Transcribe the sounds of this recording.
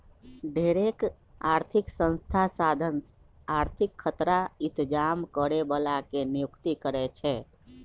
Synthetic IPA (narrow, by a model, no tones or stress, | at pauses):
ɖʱeɾek | aɾt̪ʰiksə̃nst̪ʰasad̪ʱən | aɾt̪ʰikʰːət̪ɾaɪt̪d͡ʒamkəɾebəlakenijukt̪ikəɾɛt͡ʃʰɛ